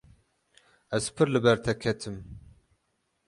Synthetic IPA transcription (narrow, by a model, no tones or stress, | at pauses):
ɛzpʰɨɾlɨbɛɾt̪ʰɛkʰɛt̪ʰɨm